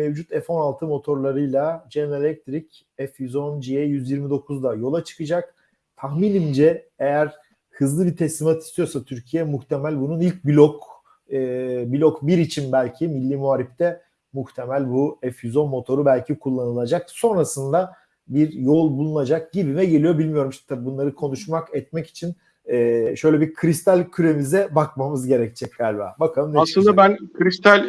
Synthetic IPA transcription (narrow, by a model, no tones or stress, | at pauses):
mevd͡ʒut̪ʰɛfo̞nalˠt̪ʰɯmo̞t̪ʰo̞ɾlˠaɾɯjlˠad͡ʒɛnɾelʲɛc̚t̪ʰɾic | ɛfyzond͡ʒiɛjyzjiɾmid̪o̞kʰuzd̪ajo̞lˠat͡ʃʰɯ̥kɯd͡ʒak | t̪ʰahmiːnimd͡ʒɛejæɾ | hɯzlˠɯbit̪ʰɛslʲimat̪ʰist̪ʰijo̞ɾsat̪ʰyɾcʰijɛmuxt̪ʰe̞mælʲbununilʲc̚bilʲokː | bilʲokbiɾit͡ʃʰinbælʲcʰimilʲːiːmuaːɾift̪ʰɛ | muxt̪ʰe̞mælʲbuɛfyzo̞nmo̞t̪ʰo̞ɾubælʲcʰikʰulˠːanɯlˠad͡ʒakso̞nɾasɯnd̪a | biɾjo̞lˠbulˠunad͡ʒak̚ɟ̥ibimɛɟe̞lʲijo̞bilʲmijo̞ɾumʃʰi̥t̪ʰabibunlˠaɾɯkʰo̞nuʃmakɛt̪̚mɛci̥t͡ʃʰin | ɛːʃø̞jlʲɛbiɾkʰɾist̪ʰælʲcʰyɾe̞mizɛbakmamɯzɟe̞ɾɛc̚t͡ʃʰɛc̚ɡalʲva̰ːbakʰalˠɯmneaslˠɯnd̪abænkʰɾist̪ʰalʲ